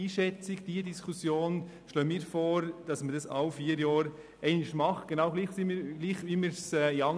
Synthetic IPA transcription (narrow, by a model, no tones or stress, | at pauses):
iːʃɛt͡sɪɡd̥iːədiskʰusjoːn | ʃlœːmiːɾfɔːɾd̥ɑsmədɑsɑ̰ʊfiːəɾjɔːɾ | ɛɪnɪʃmɑχɡ̥enɑʊɡliːχsɪmiɾɡ̥liːχʋimiːɾsɛːiɑŋ